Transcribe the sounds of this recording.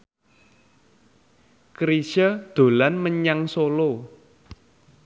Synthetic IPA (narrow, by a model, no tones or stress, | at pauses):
kɾisəd̪̥o̤lanməɲaŋsolo